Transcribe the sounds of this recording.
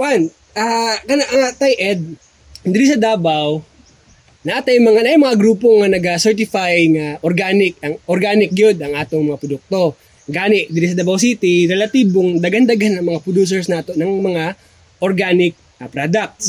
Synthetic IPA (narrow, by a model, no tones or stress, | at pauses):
wan | ʔakɐnaʔɐŋat̪ajʔɛd̪̚ | d̪ɪɾɪs̬ɐd̪aːbaw | nɐʔat̪ajmɐŋanajŋmɐŋaɡɾuːpoŋɐnɐɡasɛɹt̪̬ɪfajŋɐʔoɾɡaːnɪk̚ɐŋʔoɾɡaːnɪk̚jod̪ɐŋʔaːt̪oŋmɐŋapɾʊd̪ʊk̚t̪o | ɡaːnɪʔd̪ɪɾɪs̬ɐd̪abɐwsiːt̪ɪɾɛlɐt̪iːboŋd̪ɐɡɐnd̪ɐɡanːɐŋmɐŋapɾʊd̪uːs̬ɛɹsnaːt̪o̞nɐŋmɐŋa | ʔoɾɡaːnɪk̚ | ɐpɾad̪ɐk̚t̪s